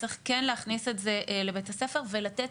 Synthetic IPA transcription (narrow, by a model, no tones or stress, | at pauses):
t͡seχkenleːχnisetzeʔlebethasefe̞ʁvelatet